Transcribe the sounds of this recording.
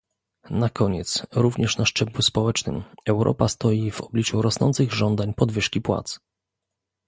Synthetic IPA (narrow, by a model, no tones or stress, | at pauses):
nakɔɲɛt̪sɾuvɲɛʂnaʂt͡ʂɛbluspɔwɛt͡ʂnɘ̰mɛwɾʔɔ̰past̪ɔjivɔ̰blʲit͡ʂuɾɔsnɔ̰nt̪sɘɣʐɔnd̪aɲpɔd̪vɘʂkʲipwa̰t̪s